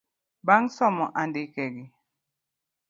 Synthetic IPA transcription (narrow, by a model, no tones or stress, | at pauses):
baŋsɔmɔʔandikɛɡi